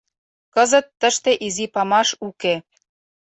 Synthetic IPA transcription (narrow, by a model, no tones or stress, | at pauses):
kɤ̆zə̆t̪ːə̆ʃt̪eʔizipɑmɑʃuke